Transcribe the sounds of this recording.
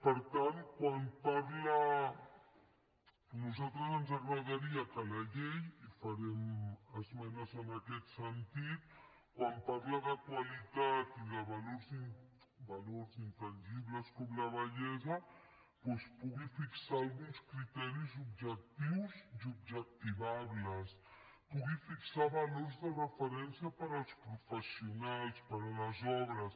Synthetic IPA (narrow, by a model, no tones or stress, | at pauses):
pəɾt̪ankwanpaɾla | nuzat̪ɾəzənzaɣɾaɣaɾiakalaʎejifaɾɛməzmɛnazənakɛt̪sənt̪it̪̚ | kwampaɾlaðakwalit̪at̪iðaβaloɾzi | baloɾzint̪anʲʒiβləskɔmlaβaʎɛzɐ | pwɛspuɣifiksaːlɣunskɾit̪ɛɾizubʒək̚t̪iwzd̪ubʒək̚t̪iβaβlas | puɣifiksaβaloɾzðərəfəɾɛnsjapaɾalˠspɾufəsjunalspaɾalazɔβɾas